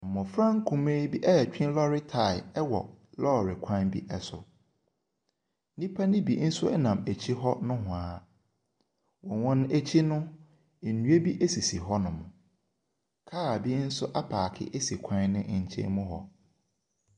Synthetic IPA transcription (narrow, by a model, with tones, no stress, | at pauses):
m̩˨mʊ̃˨fɾã˦ŋ˦kʰũ˨mẽː˦bi˦ʔɛ˦˨t͡ɕᶣĩ˦n˦lɔ˦ɾɪ˦tʰa˨ɪ˨ɛ˦wɔ̰˨lɔ˦˨ɾɪ˨kʷʰã˦nbḭ˦ʔɛ˨sʊ̰˨˦ | nĩ˦pʰa˦nɪ̃˦bḭ˨n̩˦sʊ˦ɛ˦nã˨mæ˨t͡ɕʰi˦ɦɔ˦nʊ̃˦ɦʊ̃˨aː˨˦ | wɔ̃˨wɔ̃˦n˦æ˨t͡ɕʰi˦nʊ̃˦˨ | nũ˦e˦bi˦ʔe˦si˨si˨ɦɔ˦nʊ̃˨m˨ | kʰaː˦a˨bi˦n̩˦sʊ˦ʔa˦pʰaː˨kʰɪ̰˦ʔe˦si˨kʷʰã˦nnɪ̃˦ʔɲ̩˨t͡ɕʰḛ̃˦mʊ̃˦ɦɔ̰˨